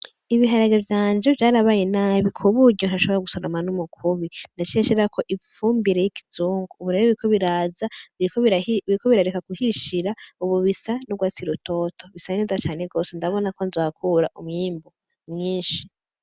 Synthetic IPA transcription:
iβiɦaɾaɡevjaːnd͡ʒovjaːɾaβaːjenaːβikʰoβuɟon̥haʃo̞βoɾaɡusoɾomanumukʰuβindat͡ʃeʃeɾakʰo̞ʔifuːmbiɾejiki̥t͡suːŋɡuːβuɾe̞ɾeβuɾikʰoβiɾaːzakβiikoβiɾaɾekakuhiʃiɾauβuβisanuɡwaːt͡siɾuto̞tʰo̞βisainizat͡ʃaːneɡo̞ːsendaβo̞nako̞nzaːkʰuɾaʔumɲiːmbo | mɲiːʃi̥

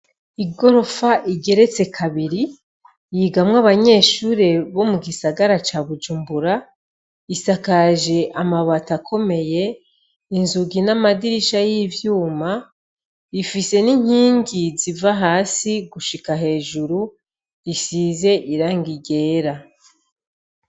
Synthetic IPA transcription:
iɡo̞ɾo̞faʔiɟe̞ɾe̞t͡se̞kʰaβiɾi | jiɡamŋaβaɲe̞ːʃuːɾe̞βo̞muɡisaɡaɾat͡ʃaβud͡ʒuːmbuɾa | isakaʒe̞ʔamaβatakʰo̞me̞je̞ | inzuɡinamadiɾiʃajivjuːma | ifise̞niɲ̥iːɲɟizivaɦaːsiɡuʃikaɦe̞ːʒuɾu | isize̞ʔiɾaːŋɡiɟe̞ːɾa

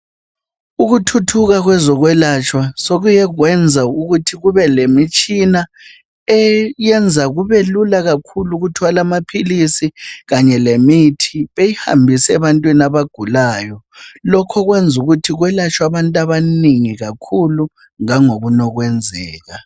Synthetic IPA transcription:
uɣutʰutʰuɣaɣwɛzɔɣwɛlat͡ʃʰʼwasoɣujɛɣwɛnd͡zʱauɣutʰiɣuβɛlemit͡ʃʼina | ɛjɛnd͡zʱaɣuβelulaɣakʰuluɣutʰwalamapʰilisiɣaɲɛlemitʰiβejiha̰mbʱisɛβantʼwinaβaɡ̥ʱulaːjɔ | lɔkʰɔɣwɛnd͡zʱuɣutʰiɣwɛlat͡ʃʰʼwaβantʼaβaniŋiɣakʰulu | ŋaŋoɣunɔɣwɛnd͡zʱɛːɣa

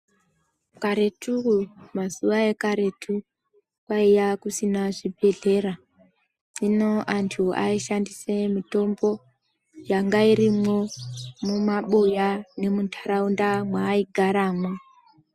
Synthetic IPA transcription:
kaɾe̞tumasuʋae̞kaɾe̞tʰu | kwaijakusinaʐibʱe̞ɮe̞ɾa | ino̞ʔantʰua̰iʃandise̞mito̞mbo̞ | jaŋɡaiɾimo̞mumaɓujane̞mutʰaɾaundamwaːiɡʱaɾaːmo

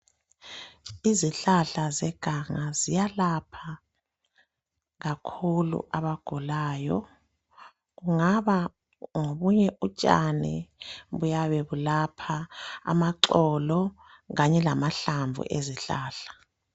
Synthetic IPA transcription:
iziɬaɬazɛɡ̥ʱaŋazijalapʰa | ɣakʰulṵʔaβaɡ̥ʱulaːjɔ | ɣuŋaβa | ŋoβuɲɛʔut͡ʃʼa̰nɛ̰βujaβeβulapʰa̰ːmaǁɔlɔ | ɣaɲɛlamaɬaɱb̪vʱṵʔeziɬaːɬḁ

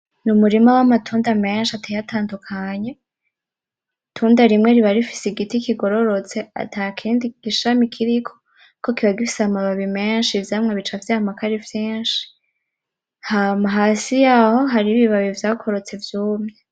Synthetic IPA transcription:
numuɾimawamatʰuːndame̞ːnʃiatʰajatʰaːndukʰaɲe̞ | tʰuːndaɾimŋe̞ɾiβaɾifi̥seɡitikiɡo̞ɾo̞ɾo̞t͡se̞a̰tʰakʰiːndiɡ̥iʃamikʰiɾikʰo̞̥ | kʰokiβaɡifi̥samaβaβimeːnʃivjaːmŋeβit͡ʃavjahamakaɾivjeːnʃi̥ | hamaɦaːsijaho̞ɦaɾiβiβaβivjaːkʰoɾot͡se̞vjuːmŋe

